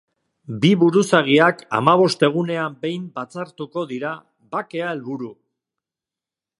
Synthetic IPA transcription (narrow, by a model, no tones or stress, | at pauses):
biβuɾusaɣ̞iaka̰maβ̞o̞st̪e̞ɣ̞une̞ambe̞jmbat͡saɾt̪uko̞ðiɾa | βake̞ae̞lβuɾu